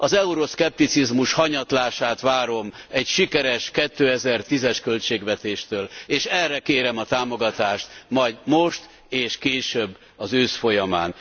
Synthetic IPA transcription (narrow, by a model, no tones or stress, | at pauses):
ɒzɛuɾo̞skɛp̚t̪it̪sizmuʃhɒɲɒt̪laːʃaːt̪ʋaːɾo̞mɛɟʃikɛɾɛʃkɛt̪ːøːɛzɛrt̪izɛʃkølt͡ʃeːɡʋɛt̪eːʃt̪øːleːʃɛrːɛkeːɾɛmɒt̪aːmo̞ɡɒt̪aːʃt̪mɒjdmo̞ʃt̪ | eːʃkeːʃøbː | ɒzøːʃfo̞jɒma̰ːn